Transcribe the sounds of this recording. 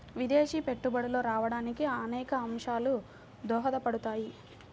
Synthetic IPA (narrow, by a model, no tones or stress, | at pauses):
ʋid̪eːʃiːpe̞ʈːubɐɽulo̞ːɾaːʋɐɽaːnikiɐnɛːkɐɐmʂaːlu | d̪ɔːɦɐd̪ɐpɐɽut̪aːji